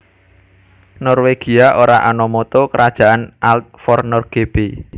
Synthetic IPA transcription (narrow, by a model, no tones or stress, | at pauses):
nɔrweɡ̥i̤aʔoɾaʔanɔmɔt̪ɔkəɾʔad̥ʒ̥a̤ʔanʔalt̪̚fɔrnɔrɡ̥eb̥e